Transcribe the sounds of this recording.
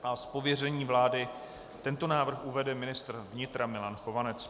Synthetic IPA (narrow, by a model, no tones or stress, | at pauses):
ʔaspo̞vjɛrɛɲiːvlaːdɪ | t̪ɛnt̪o̞naːvr̩xʔuvɛdɛmɪnɪst̪r̩vɲɪt̪ɾamɪlanxo̞vanɛt͡s